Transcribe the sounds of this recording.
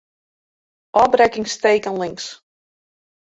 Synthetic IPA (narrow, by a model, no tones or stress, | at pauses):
ʔɔbrɛkɪŋstejkənlɪŋks